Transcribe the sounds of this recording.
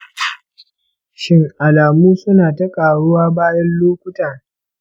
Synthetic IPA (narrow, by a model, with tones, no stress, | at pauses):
ʃɪ˦ŋʔa˨laː˨muː˦sʊ˦naː˨tɐ˦kʼaː˨ɽʊ˦waː˦baː˦jɐ˦nloː˦kʷʊ˦taː˨